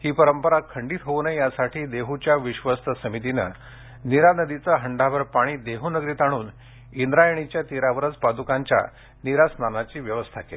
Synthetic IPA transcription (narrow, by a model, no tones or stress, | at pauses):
hiːpəɾəmpəɾakʰəɳɖiːt̪ɦoʋnəjjasaʈʰiːd̪eɦut͡ɕjaʋiɕʋəst̪əsəmit̪inə̰ | niɾanəd̪it͡saɦəɳɖaʋəɾpaɽ̃iːd̪eɦunəɡɾiːt̪aɽ̃uːn | ind̪ɾajəɳ̃it͡ɕjat̪iɾaʋəɾət͡spad̪ukaɲt͡ɕja̰ | niɾasnanat͡ɕiːʋjəʋəst̪ʰakḛ